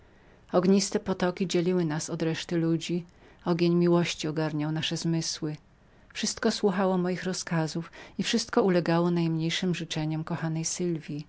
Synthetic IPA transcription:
ɔɡɲist̪ɛpɔt̪ɔkʲid͡ʑelʲiwɘnasɔd̪ɾɛʂt̪ɘlud͡ʑi | ɔɡʲeɲmʲiwɔɕt͡ɕiɔɡaɾɲawnaʂɛzmɘswɘ | fʂɘst̪kɔswuxawɔmɔjixɾɔskazufifʂɘst̪kɔulɛɡawɔnajmɲejʂɘmʐɘt͡ʂɛɲɛmkɔxanɛjsɘlvʲi

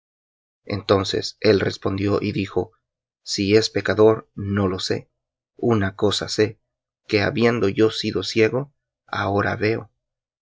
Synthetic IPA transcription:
e̞̰nt̪o̞nse̞̰se̞lre̞spo̞nd̪jo̞ʔiðixo̞ | sie̞spe̞kaðo̞ɾno̞lo̞se̞̰ | unako̞sa̰se̞ | ke̞aβje̞nd̪o̞ʝo̞siðo̞sje̞ɣo̞ | a̰o̞ɾa̰βe̞o̰

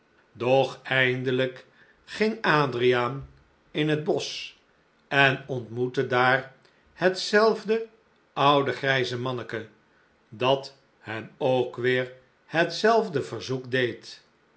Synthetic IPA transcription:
dɔχɛjndələk | χɪŋaːdrijaːn | ɪnɦəd̚bɔs | ɛnɔntmutədaːr | hətsɛlˠvdə | ʌwdəχrɛjzəmɑnəkə | dɑt | hɛnowkʋɪːɹ | hətsɛlˠvdəvəɹzukdejt

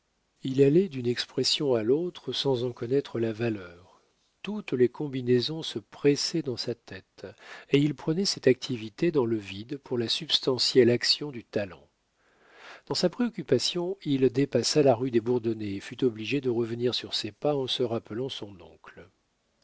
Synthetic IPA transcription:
ilalɛd̪ynɛkspχɛsjɔ̃alot̪χəsɑ̃zɑ̃kɔnɛt̪χəlavalœːʁ | t̪ut̪lekɔ̃binezɔ̃səpχɛsɛd̪ɑ̃sat̪ɛt̪eilpχənɛsɛt̪ak̚t̪ʰivit̪ed̪ɑ̃ləvid̪puʁlasybst̪ɑ̃sjɛlaksjɔ̃d̪yt̪alɑ̰̃ | d̪̥ɑ̃sapχeɔkʲypasjɔ̃ild̪epasalaʁyd̪ebuʁd̪ɔneːfyt̪ɔbliʒed̪əʁəvəniʁsyʁsepaɑ̃səʁapəlɑ̃sɔ̃nɔ̰̃kl

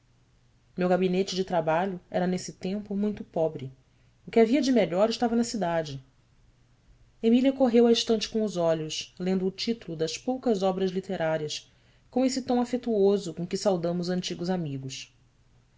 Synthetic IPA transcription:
mewɡabinet͡ʃɪd͡ʒɪt̪ɾabaʎʊɛ̰ɾɐnesɪt̪ẽmpʊmũj̃t̪ʊpɔbɾɪ | ʊkɪaviɐd͡ʒɪmeʎɔɾɪʃt̪avɐnɐsid̪ad͡ʒɪ | emiliɐkoɦewɐiʃt̪ɐ̃nt͡ʃɪ̥kõʊzɔʎʊslẽnd̪ʊːt͡ʃit̪ulʊd̪ɐspowkɐzɔbɾɐzlit̪eɾaɾiɐs | kõesɪt̪ɐ̃w̃afet̪uozʊkõkɪsawd̪ɐ̃mʊzɐ̃nt͡ʃiɡʊzamiɡʊs

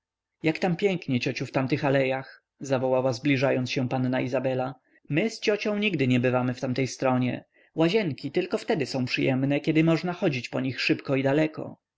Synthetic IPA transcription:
jakt̪ampʲjɛŋkɲɛt͡ɕɔt͡ɕuft̪amt̪ɘxalɛjax | zavɔwawazblʲiʐajɔnsɕɛ̃panːaizabɛla | mɘst͡ɕɔt͡ɕɔ̃w̃ɲiɡ̚d̪ɘɲɛbɘvamɘft̪amt̪ɛjst̪ɾɔɲɛ̰ | waʑɛŋkʲit̪ɘlkɔft̪ɛd̪ɘsɔ̃w̃pʂɘjɛmnɛkʲɛd̪ɘmɔʐnaxɔd͡ʑit͡ɕpɔɲixʂɘpkɔid̪alɛkɔ̰

